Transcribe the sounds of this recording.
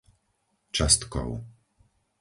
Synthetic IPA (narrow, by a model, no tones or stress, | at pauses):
t͡ʃast̪kɔ̰w